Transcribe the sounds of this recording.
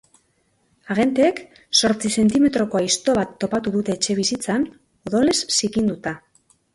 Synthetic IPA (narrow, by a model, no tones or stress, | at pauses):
aɣe̞nt̪eːk | so̞ɾt͡sise̞nt̪ime̞t̪ɾo̞ko̞ajst̪o̞βat̪ːo̞pat̪uðut̪e̞ːt͡ʃe̞β̞isit͡san | o̞ðo̞le̞sːikind̪ut̪a